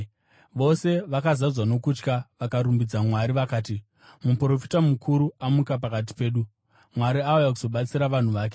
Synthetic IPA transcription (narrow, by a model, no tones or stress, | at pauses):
ʋo̞se̞ʋakazazwano̞kut͡ʃkaʋakaɾumbid͡zamwaɾiʋakaːti | mupro̞fi̥tamukʰuɾuamukap̬akat̬i̥pe̞ːɗu | mwaɾiaujakuzo̞ɓat͡siɾaʋan̤uʋaːk̬e̞